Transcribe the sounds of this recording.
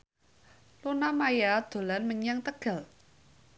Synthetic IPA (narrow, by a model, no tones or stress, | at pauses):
lunamajad̪̥o̤lanməɲaŋt̪əɡ̥a̤l